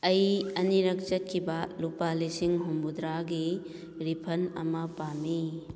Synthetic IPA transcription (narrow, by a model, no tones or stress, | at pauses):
ɐjɐniɾɐk̚t͡ʃɐt̚kʰibɐlupalisiŋɦumbud̪ɾaɡi | ɾipʰɐnɐ̰mɐpami